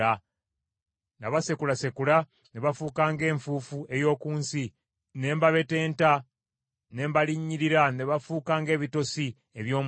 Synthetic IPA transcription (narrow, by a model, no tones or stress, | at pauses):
a | naβase̞kulase̞kula | neβafuːkaːŋɡe̞ːɱfuːfue̞jo̞ːkuːnsi | ne̞ːmbaβe̞te̞ːnta | ne̞ːmbaliɲːiɾiɾaneβafuːkaːŋɡe̞ːβito̞si | eβjo̞ːm